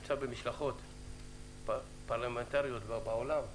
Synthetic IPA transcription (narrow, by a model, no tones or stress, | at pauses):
t͡sabemiʃlaχo̞t̪ | paʁlament̪aʁijo̞t̪babaolam